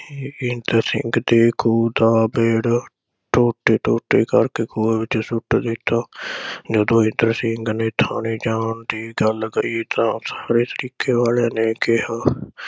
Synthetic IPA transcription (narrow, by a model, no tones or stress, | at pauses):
ɪnd̪əɾsɪ̰ŋɡd̪eːkʰuːd̪aːbeːɽ | ʈʰoːʈeːʈoːʈeːkəɾkeːkʰoːeːʋɪt͡ʃsʊʈːd̪ɪːt̪aːd͡ʒəd̪õːɪ̃nd̪əɾsɪŋɡneːt̪ʰaːniːd͡ʒaːnd̪iːɡəlɡəiːt̪ãːsḁːɾeːt̪əɾiːkeːʋaːleːneːkɪɦaː